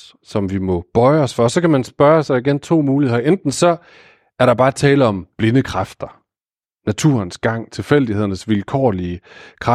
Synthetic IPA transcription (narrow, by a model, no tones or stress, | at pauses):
sɒ̽mʋimɒ̽b̥ɒ̽ɪɒ̽sfɒ̽sɒ̽kʰæmænsb̥ɶɐsɑ̈ɪiɡ̥ent͡sʰo̝̰ːmuːliheðˠɐʔend̥n̩sɒ̽ | æɐɾɑ̈b̥ɑ̈ːt͡sʰɛːləɒ̽mb̥le̝nəkʰʁɑfd̥ɐ | næt͡sʰuɐnsɡ̥ɑ̈ŋ̰t͡sʰe̝fel̰d̥ihe̝ð̞̰ˠɐnəsʋilkʰɒ̰ːliəkʰʁɑ